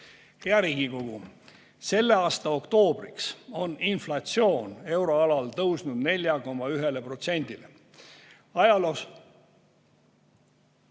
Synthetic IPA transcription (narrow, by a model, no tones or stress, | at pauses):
he̞ɑɾiːɡ̥iko̞ɡ̥u | se̞lːe̞ɑːst̪ɑo̞kt̪o̞ːb̥rikso̞ninflɑt̪sio̞ːne̞wɾo̞ɑlɑlt̪ɤwsnud̪̥ne̞lʲjɑko̞mːɑyɦe̞le̞pro̞t̪se̞nʲd̪̥ile | ɑjɑlos